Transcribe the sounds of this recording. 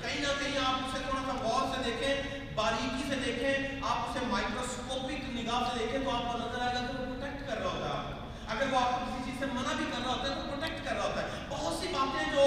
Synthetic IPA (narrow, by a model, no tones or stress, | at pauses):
kɐɦinakɐɦĩaːpʊset̪ʰoːɽakabɔːɾsed̪eːkʰẽ | baːɾiːkised̪eːkʰẽaːpʊsemaːɪkɾoːskoːpɪknɪɡaːsed̪eːkʰẽt̪oaːp̚konɐzəɾaːeɡat̪opopɾoːʈeːk̚ʈkɐɾːaɦoːt̪a̰a̰ːp | ɐɡəɾʋoaːp̚kokɪsit͡ʃiːzsemɐnabʱikɐɾːaɦoːt̪aɦɛt̪opɾoːʈeːk̚ʈkɐɾːaɦoːt̪aɦɛ | t̪oʊsibaːt̪ẽɦɛ̃d͡ʒoː